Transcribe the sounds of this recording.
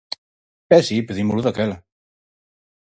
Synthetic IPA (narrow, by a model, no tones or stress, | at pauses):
ɛsipəðimuluðakɛl